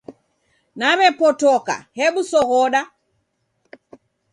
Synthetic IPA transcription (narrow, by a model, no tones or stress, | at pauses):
naβɛpɔtɔka̰hɛɓusɔɣɔɗa